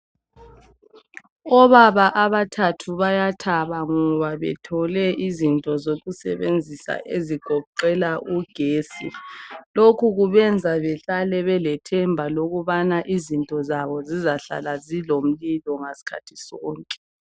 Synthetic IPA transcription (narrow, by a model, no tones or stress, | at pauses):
ɔβaβaʔaβatʰatʰuβajatʰaβaŋɔβaβɛ̰tʰɔlɛʔizintʼɔzoɣusɛ̰βend͡zʱisa̰ʔeziɡ̥ʱɔǃɛlaʔuɡ̥ʱeːsḭlokʰuɣuβɛnd͡zʱaβɛɬalɛβɛlɛtʰɛmbʱaloɣuβanaʔizintʼɔzaβɔzizaɬa̰lazilom̩lilɔŋasi̥kʰa̰tʰi̥sɔːŋkʼɛ̥